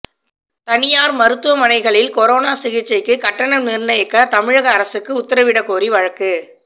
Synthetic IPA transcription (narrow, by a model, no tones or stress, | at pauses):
t̪ɐnɪjaːɾmɐɾɯt̪ːɯʋɐmɐnɐɪɣɐɭɪlkɔɾoːnaːsɪɣɪt͡ʃːɐɪkːɯkɐʈːɐnɐmnɪɾnɐjɐkːɐt̪ɐmɪɻɐɣɐːɾɐsɯkːɯʊt̪ːɐɾɐʋɪɽɐkːoːɾiʋɐɻɐkːɯ